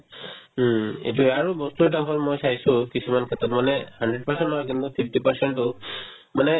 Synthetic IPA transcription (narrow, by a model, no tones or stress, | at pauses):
ḛtuɛaɹubɔsttakʰɔlmojsaɦisʊ̃kisumankʰɛtɔtmanɛhandɹɛd̚paɹsɛntnɔɦɔjkint̪upʰipʰtipaɹsɛntʊ | manɛ